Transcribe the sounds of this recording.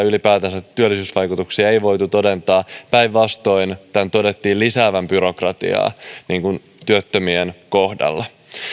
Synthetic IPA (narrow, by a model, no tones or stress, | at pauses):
ylipæːt̪ænsæt̪ːyølːisyːsʋɑjkut̪uksiɑejʋo̞jt̪ut̪o̞de̞nt̪ɑːpæjʋʋɑst̪o̞jnt̪ænt̪o̞det̪ːiːlisæːʋæmbyɾo̞krɑt̪ḭɑ̰ːniːŋkun | t̪yøt̪ːømienkohdɑ̰lːɑ